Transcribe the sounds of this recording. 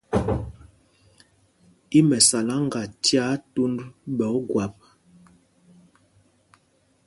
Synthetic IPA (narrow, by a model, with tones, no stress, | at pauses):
i˦mɛ˨sa˨la˦ŋ˦ɡa˨tja˦tu˦ndbɛ˨˦ɡwa˨p̚